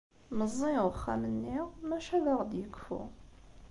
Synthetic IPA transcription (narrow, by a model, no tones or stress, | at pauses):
məzˤːiʁəχːæ̰mənːiʁmæʃævəʁd̪jəkːfṵ